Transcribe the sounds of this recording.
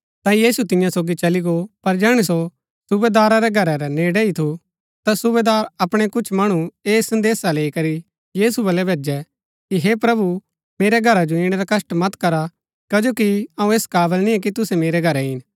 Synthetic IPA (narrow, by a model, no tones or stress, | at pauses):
t̪ãːijiːsut̪ɪ̃jãsoːɡit͡ʃɐliɡopɐɾd͡ʒɛːɽ̃uso | sʊbeːd̪aːɾaɾɛɡʱɐɾɛɾɛneːɽɛit̪ʰu | t̪asʊbeːd̪aːɾɐpɽ̃ɛkʊt͡ʃʰmɐɽ̃ueːsɐ̃nd̪eːsaleːikɐɾi | jiːsubɐlɛbʱeːd͡ʒɛ | kiɦepɾɐbu | meːɾɛɡʱɐɾad͡ʒoĩːɽ̃ɛɾakɐsʈmɐt̪kɐɾa | kɐd͡ʒoːkiɐ̃ːũeːskaːbəlnĩɛ̃k̬it̪ʊsɛmeːɾɛɡʱɐɾɛɦɪn